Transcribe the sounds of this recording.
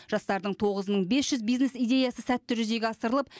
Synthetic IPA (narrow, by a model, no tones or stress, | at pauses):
ʒ̥ɑst̪ɑɾd̪əɴt̪ʰo̞ʁəzməɴbe̞sʒ̥ʏzbijzne̞sijd̪e̞jɑsəsæt̪ːɪʒʏze̞ɡʲɪɑsəɾəlˠəp̚